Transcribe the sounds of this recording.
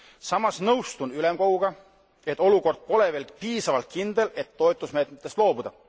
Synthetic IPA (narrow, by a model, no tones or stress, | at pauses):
sɑmɑsnɤwst̪unylemko̞ɡ̥uɡ̥ɑ | e̞t̪ːˑo̞luko̞rd̪̥̚po̞le̞veːlpiːsɑvɑlt̪̚kind̪̥e̞le̞t̪ːo̞et̪ˑusme̞ːt̪met̪ːˑe̞st̪lo̞ːbud̪̥ɑ